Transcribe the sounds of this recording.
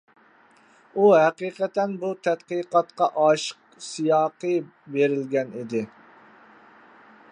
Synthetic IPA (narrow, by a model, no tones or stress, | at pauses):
uɦɛqiqɛt̪ɛnbut̪ʰɛt̪qiqɑt̪qɑʔɑʃə̥q | sijɑːqɨbeɾɪlɡʲɛnid̪ɪ